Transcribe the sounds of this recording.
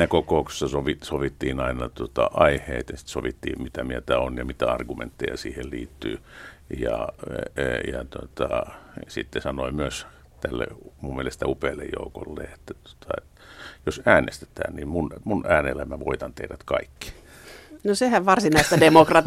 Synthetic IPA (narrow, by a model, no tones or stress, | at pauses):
ækokoukse̥sːɑsoʋisoʋit̪ːiːnɑinɑt̪uot̪ɑʔɑiheit̪jɑsi̥t̪soʋit̪ːḭːmmit̪æmiæt̪æonjɑmit̪æɑrɡumḛnt̪ːejɑ̰siːhelliːt̪ːyːjɑ | jɑt̪uot̪ɑsḭt̪ːesɑnoimyøs | t̪ælːḛmummielest̪æupeːlːejjo̰uko̰lːḛːet̪ːæt̪u̥o̥t̪ʰɑḛt̪ | josæːnḛst̪e̥t̪æ̰ːnnimmunmunʔæːnelːæmæʋoit̪ɑnt̪ehɾæt̪kɑikːi̥ | nosehæʋʋɑrsinɑist̪ædemokrɑt̪